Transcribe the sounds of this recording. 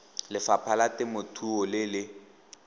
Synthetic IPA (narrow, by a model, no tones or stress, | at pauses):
lɪfapʰalatɪmʊtʰuɔlɪlɪ